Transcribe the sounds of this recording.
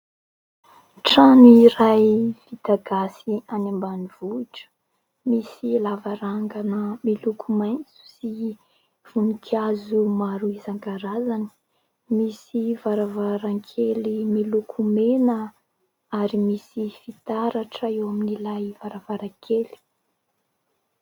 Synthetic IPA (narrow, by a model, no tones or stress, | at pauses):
ʈ͡ʂanuiɾajv̥it̪aɡasianambaniv̥uiʈ͡ʂə̥ | misilavaɾaŋɡanəmilukʰumajnt͡su̥si | v̥unikʰazumaɾuizaŋɡaɾazani̥ | misivaɾavaɾaŋkʰelimilukʰumenə | aɾimisifit̪aɾaʈ͡ʂəewaminilajvaɾavaɾakʰeli̥